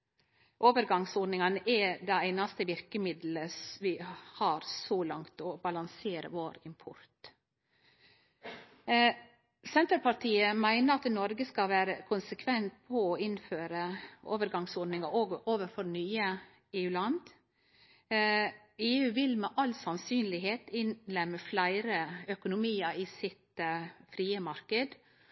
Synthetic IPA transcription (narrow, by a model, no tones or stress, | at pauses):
ʔoːʋəɾɡɑŋsoːɖnɪŋɑnəʔɛd̪ɛæɪnɑst̪əʋɪɾkəmɪd̪l̩əsʋɪhɑɾsɔlɑŋt̪ɔbɑlɑŋseːɾə̰ʋoːɾɪmpʰɔɾt̪ | sɛnt̪əɾpʰɑʈʰiːəmæɪnəɾɑt̪nɔɾɡəskɑʋæːɾəkʰʊnsəkʰʋɛnt̪̚pʰɔɔɪnføːɾəʔo̰ːʋəɾɡɑŋsɔːɖnɪŋəɾoːɡoːʋəɾfɔɾnyːə | eːʉːlɑnd̪ | eːʉːʋɪlmɛʔɑlsɑnsyːnlɪɦeːt̪ɪnlɛmːəflæɪɾəœkʊnʊmiːəɾiːsɪt̪fɾiːəmɑɾkəd̪